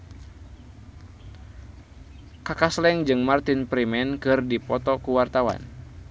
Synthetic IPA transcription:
kakaslɛŋd͡ʒɨŋmart̪inpɾimɛnkɨrdipɔt̪ɔkuwart̪awa̰n

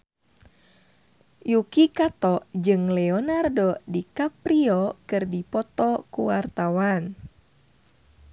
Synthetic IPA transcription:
jukikat̪ɔʔd͡ʒɨŋlɛɔnardɔdikapɾiɔkɨrdipɔt̪ɔkuwart̪awan

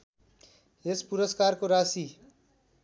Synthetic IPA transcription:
espuɾəskaːɾkoɾaːsi

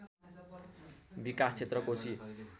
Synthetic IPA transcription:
bikast͡sʰet̪rʌkosʰi

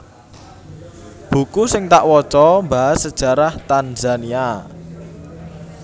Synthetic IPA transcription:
b̥ṳkusɪŋt̪aʔwɔt͡ʃɔmbaɦasːəd̥ʒ̥a̤ɾaht̪anzania

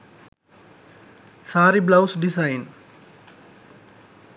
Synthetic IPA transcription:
saːɾiblawsɖisajn

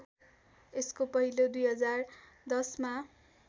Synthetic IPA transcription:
eskopʌɦilod̪ujɦʌd͡zar | d̪ʌsma

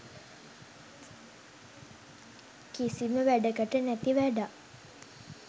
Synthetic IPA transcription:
kisiməʋæɖəkəʈənæt̪iʋæɖa

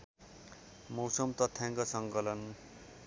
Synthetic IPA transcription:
mʌwsʌmt̪ʌt̪ʰːjãŋkʌsʌŋkʌlʌn

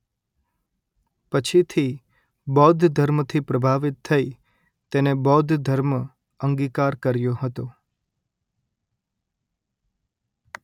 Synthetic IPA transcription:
pət͡ʃʰit̪ʰi | bɔd̪ʱd̪ʱəɾmt̪ʰipɾəbʱaʋɪt̪ʰːəi | t̪enebɔd̪ʱd̪ʱəɾm | əŋɡikaɾkəɾjoɦət̪o

